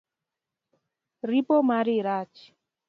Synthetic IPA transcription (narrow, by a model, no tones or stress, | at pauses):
ɾipomaɾɪɾat͡ʃ